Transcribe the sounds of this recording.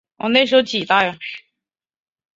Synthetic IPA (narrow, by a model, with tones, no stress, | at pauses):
wɔ̰˨˩ne˥˩ɪʂɻ̩˥o˥ʊt͡ɕi˨˩t̪a˥˧ɥɛ˨˩˥